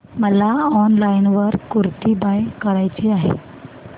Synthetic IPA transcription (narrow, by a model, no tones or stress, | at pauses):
məlaɔnlajnʋəɾkuɾt̪ibajkəɾajt͡ɕiaɦḛ